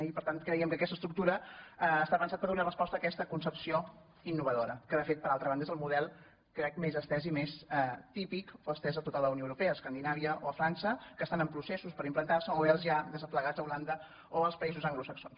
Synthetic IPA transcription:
ipəɾt̪ant̪̚kɾəiəmkəkɛst̪əst̪ɾuk̚t̪uɾəːst̪apənsat̪̚pəɾðunarəspɔst̪əːkɛst̪əkunsəpsio | inːuβəðoɾəkəðəfet̪̚pəɾalˠt̪ɾəβand̪əezəlˠmuðɛlˠ | kɾɛk̚mezəst̪ɛzimesɛt̪ipikoəst̪ɛzəlt̪ut̪alˠd̪əəwnjoəwɾupɛəːskand̪inaβ̞iəoəfɾansəkəst̪anəmpɾusesuspəɾimplənt̪arsəoβɛlˠzʒaðəzəfləɣad͡zəuland̪ə | oəlˠspəizuzəŋɡlusəksons

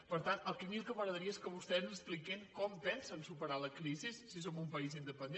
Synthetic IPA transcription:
pəɾt̪anəlˠkimilˠkəməɣɾəðəɾiəeskəβust̪ɛznəsplikeŋkɔmpɛnsənsupəɾaləkɾizisːis̬omumpəizind̪əpənd̪

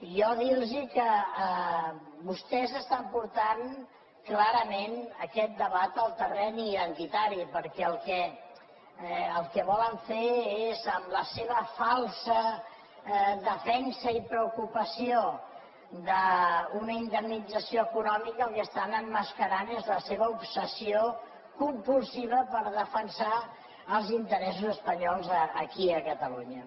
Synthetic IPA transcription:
jɔðilˠzikəə | bust̪ɛzəst̪ampuɾt̪an | klaɾəmenəkɛt̪̚d̪əβat̪əlˠt̪ərɛniənt̪it̪aɾipəɾkɛəlˠkɛ | əlˠkɛβɔləɱfeezəmləseβ̞əfalˠsə | ðəfɛnsəipɾəukupəsio | d̪əunəind̪əmnid͡zəsioəkunɔmikəlˠkəst̪anəmːəskəɾanezləseβəupsəsio | kumpulˠsiβ̞əpəɾðəfənsa | əlˠzint̪əɾɛs̬uzəspəɲɔlˠzəːkiəkət̪əluɲə

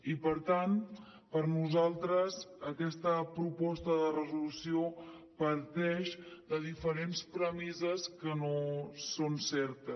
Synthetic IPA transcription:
ipəɾt̪an | pəɾnuzalˠt̪ɾəzəkɛst̪əpɾupɔst̪əðərəzulusio | pəɾt̪ɛʃd̪əðifəɾenspɾəmizəskənosonsɛɾt̪əs

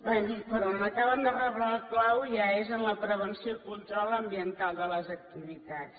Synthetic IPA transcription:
bad̪ik̪̚pəɾɔnnək̪aβand̪ərəβɾalklawʒaezənləpɾəβənsiokulˠt̪uɾalˠəmbiənt̪alˠd̪ələzək̚t̪iβit̪at͡s

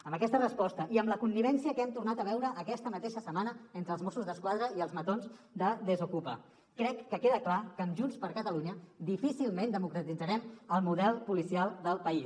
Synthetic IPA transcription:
əmbəkɛst̪ərəspɔst̪əʔiəmləkunːiβ̞ɛnsiəkɛmt̪urnat̪əβ̞ɛwɾəʔːkɛst̪əmət̪eʃəsəmanəent̪ɾəlˠzmɔsuzðəskwaðɾəiəlˠzmət̪onzd̪əd̪əzukupa̰ | kɾɛkːəkeðəklakəmʒunspəɾkət̪əluɲəd̪ifisilˠmẽnd̪əmukɾət̪id͡zəɾɛməlˠmuðɛlˠpulisialˠd̪əlˠpəis

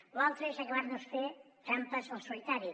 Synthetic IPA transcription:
lalˠt̪ɾeʃakeβaɾnosfe | kampasosolit̪aɾju

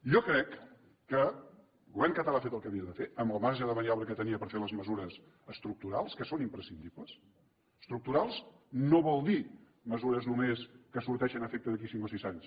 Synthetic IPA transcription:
ʒɔkɾɛkː | ə | ɡɣuβɛɾmkət̪əlaːfet̪əlˠkəβiəðəfeəmbəlmaɾʒəðəβəɾiaβləkət̪əniəpəɾfeləzməzuɾəs | əst̪ɾuk̚t̪uɾalˠskəsonimpɾəsind̪iβləs | st̪ɾuk̚t̪uɾalˠz | noβɔlˠd̪i | məzuɾəznumeskəsuɾt̪ɛʃənəfek̚t̪əðək̬isiŋkosizaɲs

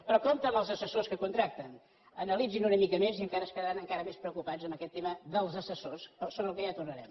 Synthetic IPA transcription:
pɾɔkɔnt̪əməlˠzəsəsoskəkunt̪ɾak̚t̪ən | ənəlid͡zinunəmikəmeziəŋkaɾəːskəðəɾanəŋkaɾəmespɾəukupad͡zəmbəkɛt̪ːeməðəlˠzəsəsossoβɾəlˠkəjat̪urnəɾɛm

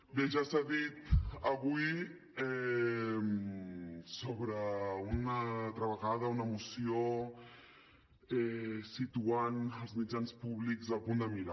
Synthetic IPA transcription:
beʒasaðit̪əβui | ɛ | m | soβɾəunət̪ɾəβəɣað̞əunəmusio | ɛsit̪uanəlˠzmid͡ʒanspuβlikzəlpund̪əmiɾa

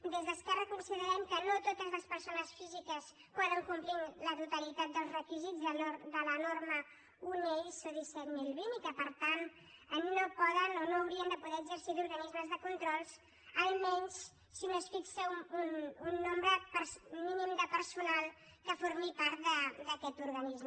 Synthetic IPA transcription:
d̪ezðəskɛrəkunsiðəɾɛmkənot̪ot̪əzləspəɾsonəsfizikəs | pɔðəŋkumplinlət̪ut̪əlit̪at̪̚d̪əlˠzrəkizid͡zðəod̪ələnoɾmə | uneʎsoðisɛt̪milˠβinkəpəɾt̪an | ənnopɔðənonoːwɾiənd̪əpuðɛəɡzəɾsiðuɾɣənizməzðəkunt̪ɾɔlˠs | əlˠmɛɲs | sinosfiksəuununːombɾəpəɾsminimd̪əpəɾsunalˠ | kəfoɾmipaɾt̪̚d̪əd̪əkɛt̪uɾɣənizm

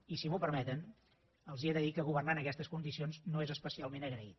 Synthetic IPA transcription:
isimupəɾmɛt̪ən | əlˠzieðəðikəɣ̞uβərnanəkɛst̪əskund̪isionznoezəspəsialˠmenəɣɾəḭt̪̚

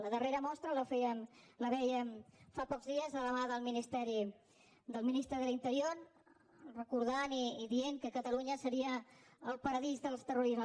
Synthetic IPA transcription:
ləðəreɾəmɔst̪ɾələfɛjəmləβɛjəmfapɔkzðiəzələβaðəlˠminist̪ɛɾi | d̪əlˠminist̪ɾəðəlint̪əɾioɾ | rəkuɾð̞aniːðieŋkəkət̪əluɲəsəɾiəːlˠpəɾəðizðəlˠst̪əruɾizə

